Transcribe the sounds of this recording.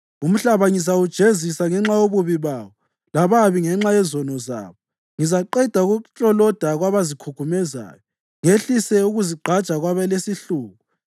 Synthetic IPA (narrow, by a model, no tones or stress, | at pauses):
um̩ɬaβaŋizawud̥ʒ̥ʱezisaŋɛŋ͡ǁajoβuβiβaːβɔ | laβaβiŋɛŋ͡ǁajɛzɔnɔza̰ːβɔ | ŋizaǃɛd̥ʱaɣut͡ʃʼɔlɔd̥ʱaɣwaβazikʰukʰumɛza̰ːjɔ | ŋeɬisɛuɣuziɡ͡ǃʱad̥t͡ʃʼaɣwaβɛlesiɬuːɣu